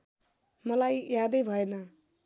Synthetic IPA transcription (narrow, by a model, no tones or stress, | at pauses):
mʌlajjad̪ʌjbʱʌenʌ